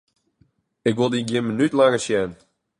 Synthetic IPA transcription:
ɪkʋɪlˠdiɡjɪnmənytlaŋəsjɛn

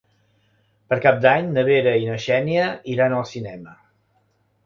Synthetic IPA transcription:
pəɾkap̚d̪aɲnəβ̞eɾəinəʃɛniəiɾanəlˠsinɛmə

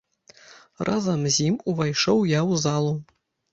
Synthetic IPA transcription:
rʔazamzʲimuvajʂowjawzalˠu

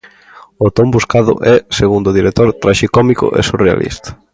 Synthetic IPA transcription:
ot̪ombuskaðʊ̰ʔɛseɣund̪oðiɾek̚t̪oɾt̪ɾaʃikɔmikʊ̰ʔḛsurea̰lʔḭst̪ḁ

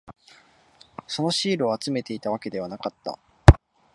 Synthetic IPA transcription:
so̞no̞ɕiːɾɯ̟oat͡sɨme̞t̪e̞it̪aβ̞ake̞d̪e̞β̞anakat̪ːa̰

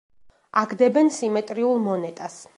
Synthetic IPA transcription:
aɡd̪ɛbɛnsimɛt̪ʼɾiulˠmɔnɛt̪ʼas

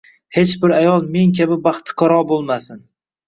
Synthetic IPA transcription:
he̞t͡ʃbɪɾajɒlˠme̞ŋkʲabɪbɑχt̪ʰɪ̥qʰɒɾɒbolˠmasɪn

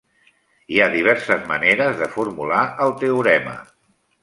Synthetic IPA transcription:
iaðiβ̞ɛɾsəzməneɾəzðəfuɾmulaəlˠt̪euɾɛmə̰

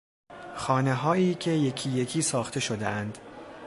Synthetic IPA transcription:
xɒːne̞ɦɒːiːcʰe̞je̞cʰiːje̞cʰiːsɒːxt̪ʰe̞ʃo̞d̪ḛʔænd̪̥

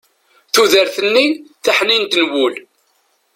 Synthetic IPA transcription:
θuðəɾθənːiθaħnint̪nwʊl

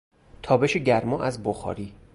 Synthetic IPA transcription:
t̪ʰɒːbe̞ʃeɟæɾmɒːʔæzboxɒ̰ːɾiː

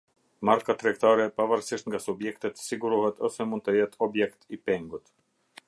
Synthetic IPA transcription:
maɾkat̪ɾɛkt̪aɾɛpavaɾsiʃt̪ŋɡasubjɛkt̪ɛt̪siɡuɾuhɛt̪ɔsɛmund̪̚t̪əjɛt̪ʰɔbjɛkt̪ipɛŋɡut̪

